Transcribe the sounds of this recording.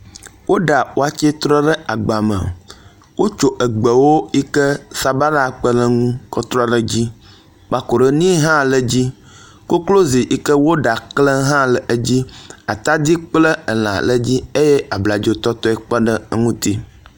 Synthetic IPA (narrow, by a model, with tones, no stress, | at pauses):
wo˦ɖa˨wo˦a˨t͡ʃe˦t̪ɾɔ˦ɖə˦a˨ɡ͡ba˨mə̰˨ | wo˦t͡ʃo˦ʔə˨ɡ͡bə˨wo˦i˦kə˦sa˨ba˦na˦k͡pə˦lə˦ŋũ˦kɔ˦t̪ɾɔ˦lə˨d͡ʑi˦ | k͡pa˨ko˨ɖə˦nĩ˦ɦã˦lə˨d͡ʑi˦ | ko˦klo˦zi˨ʔi˦kə˦wo˦ɖa˨klə˦ɦã˦lə˨ʔə˦d͡ʑi˦a˨t̪a˦d̪i˦k͡plə˦ə˨l̃ã̰˨lə˦d͡ʑi˦e˦je˦a˨bla˨d͡ʒo˦t̪ɔ˦t̪ɔ˦i˦k͡pə˦ɖə˦ŋũ˦t̪i˦